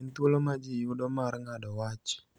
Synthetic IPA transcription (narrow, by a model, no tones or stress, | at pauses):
nt̪olomad͡ʒijudɔmaɾŋadɔwat͡ʃɔ̥